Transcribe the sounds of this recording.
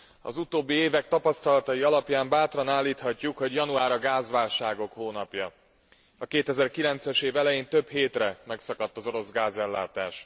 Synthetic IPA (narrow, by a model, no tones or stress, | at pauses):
ɒ̰zut̪oːbːieːvɛk̚t̪ɒpɒst̪ɒlɒt̪ɒjiɒlɒpjaːmbaːt̪rɒnaːlːiːt̪hɒcːukho̞ɟjɒnuaːɾɒɡaːzʋaːlʃaːɡo̞khoːnɒpjɒ̰ | ɒkeːt̪ɛzɛrkilɛnt̪sɛʃeːvɛlɛjeːnt̪ø̞bheːt̪rɛmɛksɒkɒt̪ːɒzo̞ɾo̞zɡaːzɛlːa̰ːt̪aːʃ